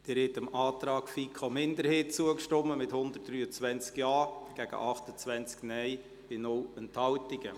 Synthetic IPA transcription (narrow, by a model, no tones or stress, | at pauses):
d̥ɛɾhɛtəmɑːtɾɑːkfiːkʰomɪnd̪əɾheːt̚t͡suəkʃtɔmːəmɪthʊnd̪ərt̚d̥ryːət͡sʋɛnt͡skjɑːɡ̥æɡ̥ə̰ʔɑχtət͡sʋɛnt͡sknɛj | b̥ɪnʊlənthɑwtɪɡ̥ə